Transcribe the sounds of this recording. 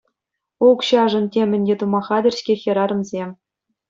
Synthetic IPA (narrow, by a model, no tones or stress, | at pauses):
ukɕɑʐɤ̆ntʲemʲɘ̆nʲdʲet̪umɑχɑdʲɘ̆rʲsʲkʲexʲĭɾɑɾɤ̆mzʲemʲ